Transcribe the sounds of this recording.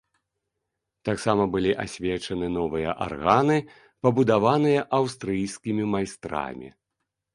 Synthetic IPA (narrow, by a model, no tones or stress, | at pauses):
t̪aksamɐbɨlʲiʔasʲvʲɛt͡ʂɐnɨnɔvɨjɐ̰ʔa̰rɣanɨ | pɐbud̪avanɨjɐʔawst̪ɾɨjskʲimʲimajst̪ɾa̰mʲḭ